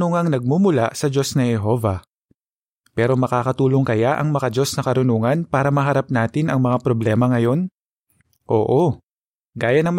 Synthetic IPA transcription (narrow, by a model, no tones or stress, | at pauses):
oŋɐŋnɐɡ̚mumʊla̰ʔsɐd͡ʒo̞snɐhɛɦo̞vɐ | pɛːɾo̞mɐkaːkɐt̪uːloŋkɐjaʔɐŋmɐkɐd͡ʒo̞snɐkɐɾʊnuːŋɐnpaːɾɐmɐɦɐɾap̚naːt̪ɪnʔɐŋmɐŋapɾoblɛːmɐŋɐjo̞n | ʔo̞ːʔo̞ | ɡaːjɐnɐŋm